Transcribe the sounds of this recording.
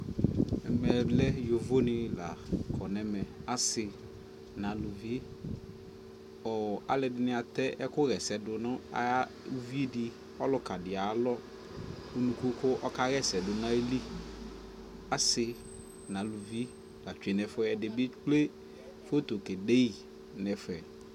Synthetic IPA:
ɛ˨mɛ˨blɛ˦jo˨vo˦nɪ̃˨la̰˨kʰɔ˨nɛ˦mɛ˨a˦sɪ˨ | nã˨lʊ˨vi˦ | ɔ˨a̰˨lɪ˨dɪ˨nɪ̃˨a˨t̪ɛ˦ʔɛ˦kʊ˦ɣɛ˨sɛ˨dʊ˨nʊ̃˦a̰˨˦ | u˦vi˦e˦dɪ˨ | ɔ˦lʊ˦ka˨dɪ˨a˨˦lɔ˦ | u˨nũ˨ku˦kʊ˦ʔɔ˦ka˦ɣɛ˦sɛ˨dʊ˨nã˦e˦li˦ | a˦sɪ˨ | nã˨lu˨vi˦ | la˨t͡ʃᶣe˨nɛ˨fʊ˦ɛ˨dɪ˨bɪ˦k͡ple˦ | fo˦t̪o˨ke˨de˦i˨ | nɛ˨fɛ˨

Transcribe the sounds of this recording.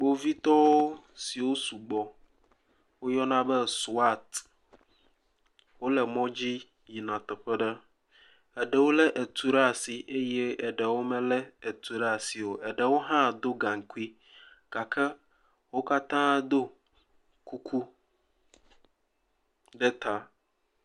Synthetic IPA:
ɡ͡bo˨vi˦t̪ɔ˦wo˦ | si˨wo˦su˨ɡ͡bɔ˨ | wo˦jɔ˦nã˦bɛ˦su˦a˦˨t̪ | wo˦lɛ˨mɔ̃˦d͡ʑi˦ | ji˨nã˨t̪ɛ˨ɸɛ˦ɖə˦ | ɛ˨ɖɛ˨wo˦lɛ˦ʔe˨t̪u˦ɖa˨si˨ʔe˦jɛ˦ɛ˨ɖɛ˨wo˦mɛ̃˦lɛ˦ɛ˨t̪u˨ɾa˨si˨wo˨ɛ˨ɖɛ˨wo˦ɦã˦˨d̪o˦ɡa˨ŋ̩˨ku˦i˦ | ka˨kʰɛ˦ | wo˦ka˦t̪ãː˦d̪o˦ | ku˦kʰu˦ | ɖɛ˦t̪ʰa˦

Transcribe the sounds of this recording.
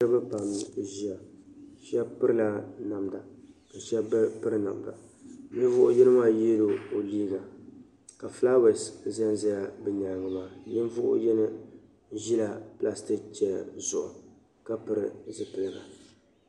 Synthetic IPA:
ɾɨ˦bɨ˦ba˨mʒi˦ja˨ʃɛ˦pɨ˦ɾɨ˦la˦na˨mda˨ka˨ʃa˦pɨ˦ɾɨ˦na̰˨mda̰˨ | ɲɪ˦n˦vʊ˦ʔʊ˦jɛ˦nɨ˦maː˦je˦do˨o˨liː˦ɡa˨ | ka˨fla˦wɛ˨sza˦nza˦ja˨bɨ˨ɲa˨lŋɨ˨maː˦jɪ˦n˦vʊ˦ʔʊ̰˦jɛ˦nɨ˦ | ʒi˦la˨pla˦sti˦kt͡ʃɛ˨lzʊ̰˨ʔʊ̰˨ | ka˦pɨ˦ɾɨ˦˨zɨ˨pɨ˨lɨ˦˨ɡa̰˨

